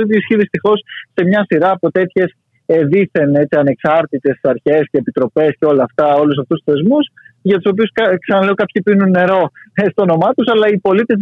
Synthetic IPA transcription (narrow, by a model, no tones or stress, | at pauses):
it̪iisçiðist̪ixo̞sːe̞mɲɐsiɾɐːpo̞t̪e̞t̪çe̞s | eðiθe̞ne̞t͡siɐne̞ksɐɾt̪it̪e̞sɐɾçe̞sceːpit̪ɾo̞pe̞sceo̞lɐːft̪ɐo̞lus̬ɐft̪ust̪u̥θe̞zmusʝɐt̪u̥so̞p̬iuskɐksɐnɐle̞okɐpçipinunːe̞ɾo̞st̪oono̞mɐt̪usɐlɐipo̞lit̪e̞z